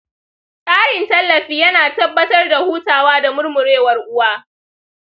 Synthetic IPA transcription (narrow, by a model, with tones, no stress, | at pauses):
kʼaː˦ɽɪ˨ntɐ˦lːɐ˨ɸiː˦jɐ˦naː˨tɐ˦bːɐ˦tɐ˦rda˨huː˦taː˨waː˦da˨mʊ˦rmʊ˨ɽeː˦wɐ˨rʔʊ˦waː˦